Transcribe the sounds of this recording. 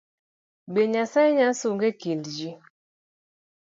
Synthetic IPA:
ɓeɲasaiɲasuŋɡekindd͡ʒi

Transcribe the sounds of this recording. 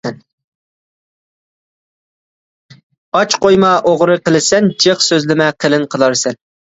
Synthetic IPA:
n | ɑt͡ʃqojmɑʔoʁɾɨqəlˠɪsɛnd͡ʒeχsøzlɪmɛqʰəlɪnqʰəlˠɑɾsɛn

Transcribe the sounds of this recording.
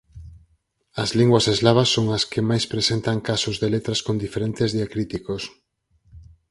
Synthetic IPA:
ɐzliŋɡwɐsezlaβɐsːoŋɐskemajspɾesent̪ɐŋkasʊzðelet̪ɾɐskond̪ifeɾent̪ezðiakɾit̪ikos

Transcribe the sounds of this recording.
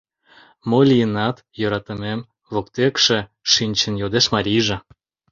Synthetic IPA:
molʲijənɑt̪jøɾɑt̪əmem | βokt̪ekʃeʃinʲt͡ɕənjod̪eʃmɑɾʲijʒĕ

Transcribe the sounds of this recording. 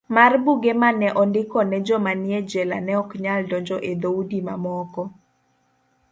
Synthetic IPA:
marbuɡemanɛʔɔndɪkɔnɛd͡ʒɔmanɪɛd͡ʒɛla̰nɛɔkɲaldɔɲd͡ʒɔʔed̪oudima̰mɔkɔ

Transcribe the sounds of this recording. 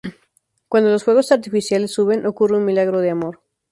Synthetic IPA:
kwand̪o̞losxwe̞ɣo̞saɾt̪ifisjale̞sːuβe̞nʔo̞kureunmilaɣɾo̞ð̞eamo̞ɾ

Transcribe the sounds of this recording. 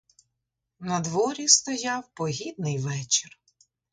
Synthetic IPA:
nɐd̪ʋɔɾʲist̪ɔjawpɔɦʲid̪nɪjʋɛt͡ʃɪr

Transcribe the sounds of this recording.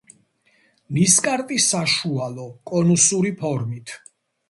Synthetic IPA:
niskʼaɾt̪ʼisaʃualɔkʼɔnusuɾipʰɔɾmit̪ʰ

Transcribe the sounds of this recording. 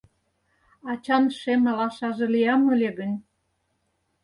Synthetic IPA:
ɑt͡ɕɑnʃemɑlɑʃɑʒĕlijɑmːŏlʲeɡə̆nʲ

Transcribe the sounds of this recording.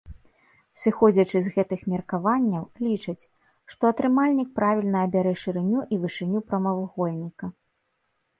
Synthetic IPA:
sɨxɔd͡zʲɐt͡ʂɨzɣɛt̪ɨxmʲɐrkavanʲːɐwlʲit͡ʂɐt͡sʲ | ʂt̪ɔɐt̪ɾɨmalʲnʲik̚pɾavʲilʲnɐːbʲaɾɛʂɨɾɨnʲuʔivɨʂɨnʲupɾɐmɐvuɣɔlʲnʲikɐ

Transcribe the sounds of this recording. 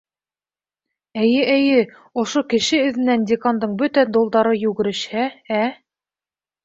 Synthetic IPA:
æjɘʔæjɘ | ŏʃokɘ̆ʃɘɵ̆ðɘ̆nændʲekand̪ɤɴbɵt̪æd̪ŏlˠd̪ɑɾɤjʉɡɘ̆ɾɘ̆ʃhææ

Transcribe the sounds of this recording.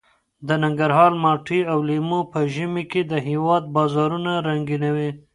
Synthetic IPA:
d̪ənaŋɡaɾɦɑɾmɑʈiawlimopəʒimeked̪əɦewɑd̪̚bɑzɑɾunaɾaŋɡinawi

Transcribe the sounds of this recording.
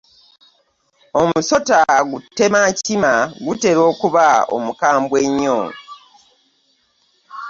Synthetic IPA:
o̞muso̞taɡutːe̞macimaɡute̞ɾo̞ːkuβao̰mukaːmbweɲːo̰

